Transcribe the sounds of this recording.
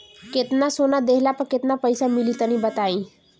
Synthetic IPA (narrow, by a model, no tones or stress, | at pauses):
ket̪nasonad̪eɦlapəɾket̪napəjsamilit̪ənibət̪aĩ